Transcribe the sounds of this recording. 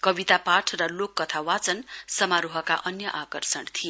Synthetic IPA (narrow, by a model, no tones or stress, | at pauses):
kʌbit̪apaʈʰrʌlokːʌt̪ʰawat͡sʌnsʌmaɾuɦʌka̰ʔʌnjʌʔakʌrsʌnt̪ʰije